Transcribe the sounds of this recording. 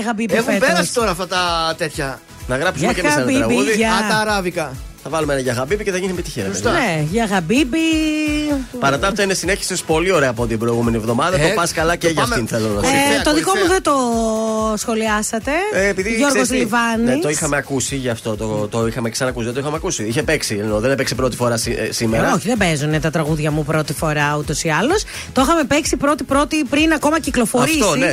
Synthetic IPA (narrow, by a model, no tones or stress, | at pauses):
ɐɣɐbibeepeɾɐsi̥t̪o̞ɾɐːft̪ɐt̪ɐt̪et̪çɐ | nɐɣɾɐpsuɐmcemeɐsiɾɐɣiuðiɐɐɐɾɐvikɐθɐvɐlumeenɐʝɐɣɐbibiceθɐʝinimet̪içiɾɐsneʝɐɣɐbibi | pɐɾɐt̪ɐft̪ɐinesine̞çi̥sespo̞lio̞ɾeɐːpo̞t̪ibɾo̞iɣume̞nie̞vðo̞mɐðɐopɐskɐlɐceʝɐfinθelonosit̪oðiko̞muðet̪o | sxo̞liɐsɐt̪e̞ːpiðiʝoɾɣozlivɐneit̪o̞ixɐmeɐkusiʝɐft̪o̞t̪ot̪oixɐmeksɐnɐkusiðet̪oixɐmeɐkusiiçepeksinoðenpeksipɾo̞t̪i̥fo̞ɾɐsisimeɾɐoçiðebezunet̪ɐt̪ɾɐɣuðʝɐmupɾo̞t̪ifo̞ɾɐut̪o̞siɐlo̞s | t̪oxɐme̞peksipɾo̞t̪ipɾo̞t̪ipɾinɐko̞mɐciklo̞foɾit̪osine